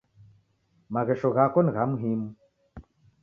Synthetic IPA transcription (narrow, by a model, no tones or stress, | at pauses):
maɣeʂoɣakonɣamɦim